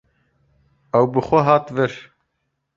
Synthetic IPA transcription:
ɐwbɨxʷɛɦɑːt̪vɪɾ

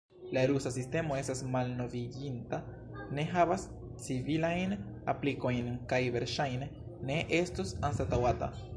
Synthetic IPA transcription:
laeɾusasiste̞mo̞e̞stasmalno̞viɡinta | ne̞ɦavas | t͡sivilajn | a̰pliko̞jnkajve̞ɾʃajneː | e̞ʔe̞stusansatawata̰

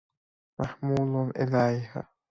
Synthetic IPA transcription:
maħmuːlʊnʔɪlajha̰

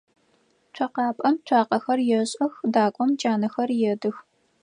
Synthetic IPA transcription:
t͡ʃʷʰɐqɑːpʼɐmt͡ʃʷʰaːqɐxɐrjɛɕʼɐxdaːkʷʼɔmt͡ʃʼaːnɐxɐrjɛdɨx

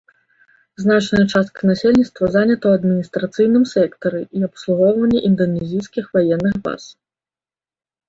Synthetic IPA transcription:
znat͡ʂnɐjɐt͡ʂast̪̚kɐnasʲelʲnʲit̪st̪vɐzanʲɐt̪ɐwɐd̪mʲinʲist̪ɾat̪sɨjn̪ɨmsʲɛkt̪ɐɾɨʔiɐpslˠuɣɔwvɐnʲːɛʔind̪ɐnʲɛzʲijskʲixvajɛnːɨxba̰s

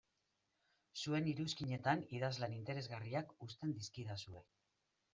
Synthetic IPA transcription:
sue̞niɾuskiɲe̞t̪aniðazlanint̪e̞ɾe̞zɣariakust̪e̞nd̪iskiðasue̞

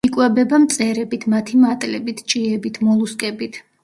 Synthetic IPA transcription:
ikʼwɛbɛbamt̪sʼɛɾɛbit̪ʰmat̪ʰimat̪ʼlɛbit̪ʰt͡ʃʼiɛbit̪ʰmɔlˠuskʼɛbit̪ʰ

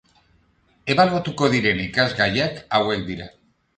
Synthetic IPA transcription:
e̞βaluat̪uko̞ðiɾe̞nikazɣajakawe̞k̚d̪iɾa

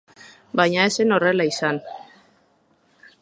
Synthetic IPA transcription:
bajɲaese̞no̞re̞laisan

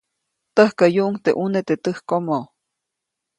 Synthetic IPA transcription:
t̪əhkəjuʔuŋt̪ḛʔunet̪et̪əhkomo

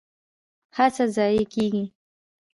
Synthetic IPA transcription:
hat͡sazaːjekiɡi

